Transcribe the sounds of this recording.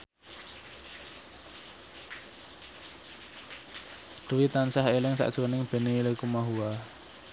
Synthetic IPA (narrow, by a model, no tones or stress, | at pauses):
d̪̥uwit̪ansaɦelɪŋsa̰ʔd̥ʒ̥unɪŋb̥e̤neləjkumaɦua